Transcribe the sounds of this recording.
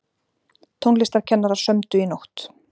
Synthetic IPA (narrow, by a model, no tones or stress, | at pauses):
t̪ʰownlɪst̪aɾ̥cʰɛnːaɾḁsœmt̪ʏinowht̪